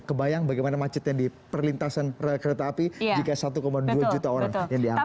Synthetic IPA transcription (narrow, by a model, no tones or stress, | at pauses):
kəbajaŋbaɡajmanamat͡ʃʊt̪jaŋdi | pərlint̪asanrəkəɾet̪aːpid͡ʒikasat̪ukomadduad͡ʒut̪aoɾaŋjaŋdia